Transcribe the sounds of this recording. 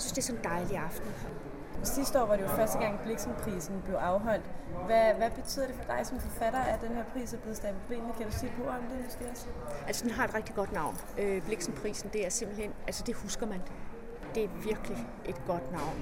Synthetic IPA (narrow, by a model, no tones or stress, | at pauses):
jsynsd̥e̝sɒ̽nd̥ɑ̈ɪliɑ̈fd̥n̩ | sisd̥ɒ̰ːʋɑɾe̝jofɶɐsd̥əɡ̥ɑ̈ŋ̰b̥le̝ɡ̥sn̩pʰʁḭːsn̩b̥le̝ʊʔɑ̈ʊɦɒ̽l̰d̥ʋæʋæb̥e̝t͡sʰy̰ð̰ˠɐd̥e̝fɒ̽d̥ɑ̈ɪsɒ̽mfɒ̽fæɾ̥ɐːæd̥enɦeɐ̰pʰʁḭːsæɐble̝ð̞̩ˠsd̥æpʰob̥lḛːmn̩ˠkʰædusḛːpʰɔ̰ɒmd̥ensɡ̥eæsʔælsəd̥enɦɑ̈e̝d̥ʁɛɡ̥̚d̥iɡ̥ɒ̽d̥nɑ̈ʊ̰n | øb̥le̝ɡ̥sn̩pʰʁḭːsn̩d̥e̝æɐse̝m̰b̥l̩henælsəd̥e̝husɡ̥ɐmæn | d̥e̝æɐʋiɐɡ̥li | ʔe̝d̥ɡ̥ɒ̽d̥nɑ̈ʊ̰n